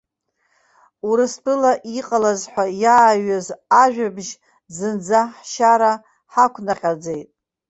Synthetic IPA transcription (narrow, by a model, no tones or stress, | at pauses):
uɾɨspʰʼɨlaʔiqʼalazħʷajaːɥazaʒᶣabʒ | zɨnd͡zaħʃaɾa | ħakʷʰnaχʲad͡ze̞jtʼ